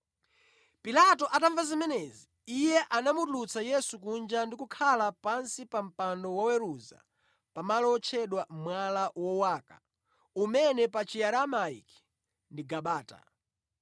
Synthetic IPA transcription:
pilatɔʔataɱvazimɛnɛzi | ijɛʔanamutlut͡sajɛsuk̬und͡ʒandikukʰalapansipam̩pandɔwawɛɾuza̰ | pamalɔɔt͡ʃʰɛɗwam̩mwalawɔwaːka | umɛnɛpat͡ʃiaɾamaḭki̥ | ndiɡaɓaːta̰

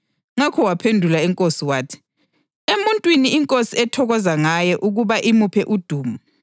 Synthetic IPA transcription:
ŋakʰɔwapʰendʱulaɛŋkʼosiwaːtʰi̥ | emuntʼwiniiŋkʼosiɛtʰɔɣɔzaŋajɛʔuɣuβaʔimupʰɛʔud̥ʱuːmu

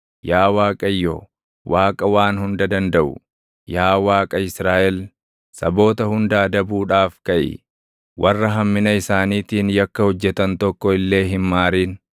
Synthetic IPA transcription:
jaːwaːkʼɐjːɔː | waːkʼɐwaːnhʊnd̪ɐd̪ɐnd̪ɐʔʊ̰ | jaːwaːkʼɐɪsɾaːʔɛl | sɐbo̞ːt̪ɐhʊnd̪aːd̪ɐbuːᶑaːfkɐʔɪ̰ | wʔɐrːɐɦɐmːɪnɐɪsaːniːt̪iːnjɐkːɐhɔd͡ʒːɛt̪ɐnt̪ɔkːɔɪlːe̞ːɦɪmmaːɾiːn

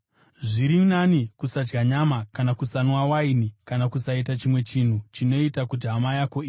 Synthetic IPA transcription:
ʐiɾinanikusad͡ʒɡaɲamakanakusanwawainikanakusaitat͡ʃimwe̞t͡ʃin̤ut͡ʃino̞itakutiɦamajako̞iː

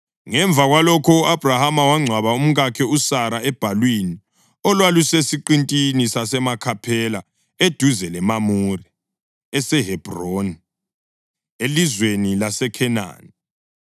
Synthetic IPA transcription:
ŋɛɱb̪vʱaɣwalɔkʰɔuab̥ʱrahamawaŋ͡ǀʱwaβaum̩ɣakʰɛusaɾaɛb̥ʱalwini | ɔlwalusesiǃintʼinisasɛmakʰapʰɛla | ed̥ʱuzɛlɛmamuri | ɛsɛɦɛb̥ʱroːni | elizwenilasɛkʰɛna̰ːni

